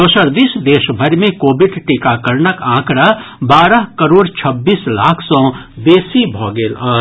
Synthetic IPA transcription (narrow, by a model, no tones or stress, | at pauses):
osəɾd̪iːsd̪eːʃbʱəɾmẽkoːbɪɖʈikakəɾnəkãːkɽabaːɾəɦkəɾoːɽt͡ʃʰəbːiːsla̰ːkʰsɔ̃d̪eːsibʱɔːɡeːlaː